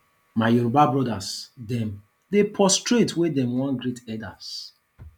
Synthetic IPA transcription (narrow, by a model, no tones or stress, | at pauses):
maɪjoɾobabɹɔdasdɛ̃m | depʰɔstɹetwedɛ̃mwɔ̃nɡɾetɛdas